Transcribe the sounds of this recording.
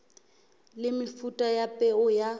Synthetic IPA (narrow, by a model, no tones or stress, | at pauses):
lɪmɪfutʼajapʼɛʊja